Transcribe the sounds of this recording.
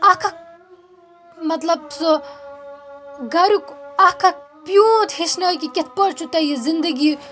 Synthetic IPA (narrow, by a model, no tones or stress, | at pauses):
ɐkʰɐk̚ | mɐt̪lɐbso | ɡɐɾukɐkʰɐk̚pjũːt̪heʃnɐːkikʲet̪̚ʰpɐɾt͡ʃʰut̪ɐjizind̪ɐɡi